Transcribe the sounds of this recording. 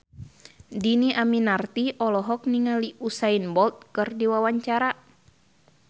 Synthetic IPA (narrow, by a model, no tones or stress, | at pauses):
diniʔaminart̪iʔɔlɔɦɔk̚niŋaliusainbɔlt̪̚kɨrdiwawaɲt͡ʃaɾa